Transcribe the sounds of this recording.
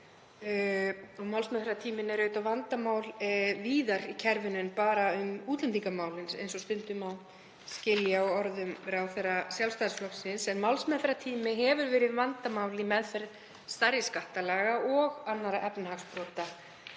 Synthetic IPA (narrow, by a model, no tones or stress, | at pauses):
ɔɣmawlsmɛθɾat̪ʰiːmɪnɛɾœːɥt̪awvant̪amaːwlviːðaɾicʰɛɾvʏnʏnpaːɾaʏmuːt̪lɛnt̪iŋkamaːwlɪnsḛjnsɔst̪ʏnt̪ʏmaw | scɪljaɔɔɾðʏmɾawθɛjrːasjalfst̪asflɔksɪnsɛnmawlsmɛθɾat̪ʰiːmɪɦɛvʏɾvɛːɾɪðvant̪amawlɪmɛðfɛɾ | st̪aɾjɪskaht̪alaːɣaɔɣanːaɾaʔɛpnɪhakspɾɔːt̪a